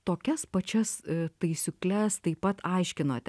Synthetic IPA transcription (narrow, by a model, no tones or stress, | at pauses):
t̪oːkʲɛspɐt͡ʃʲɛst̪ɐɪsʲʊklʲɛst̪ɐɪpːɐt̪ɐɪʃʲkʲɪnoːt̪ʲɛ